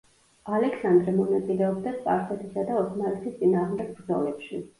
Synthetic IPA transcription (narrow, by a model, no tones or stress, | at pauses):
alɛksand̪ɾɛmɔnat̪sʼilɛɔb̚d̪aspʼa̰ɾfɛt̪ʰisad̪aɔtʰnalɛt̪ʰist̪sʼinaːʁmd̪ɛɡ̚bɾd̪zɔlɛpʃi